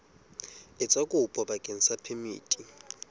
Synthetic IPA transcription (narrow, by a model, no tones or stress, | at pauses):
ɪt͡sʼakʼupʼɔɓakʼen̩sapʰemḭːtʼi